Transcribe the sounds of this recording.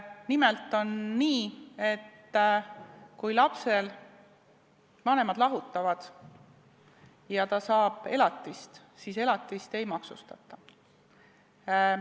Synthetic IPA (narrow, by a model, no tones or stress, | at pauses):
nimelt̪ːˑo̞nːiːe̞t̪ː | kujlɑpse̞l | vɑne̞mɑd̪̥lɑɦut̪ːˑɑvɑd̪̥ | jɑt̪ɑsɑːb̥e̞lɑt̪ːist̪ | siːse̞lɑt̪ːˑist̪e̞jmɑksṵst̪ɑ̰t̪ːˑɑ